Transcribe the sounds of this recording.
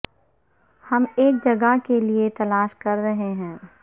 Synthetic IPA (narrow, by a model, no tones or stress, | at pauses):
hɐmeːk̚d͡ʒɐɡakeliet̪ɐlaːʃkɐɾːɐɦeɦɛ̃ː